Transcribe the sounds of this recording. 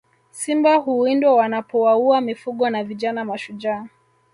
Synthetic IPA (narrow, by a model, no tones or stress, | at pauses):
simbahuindwawanapɔwauamifuɠɔnaviʄanamaʃuʄaː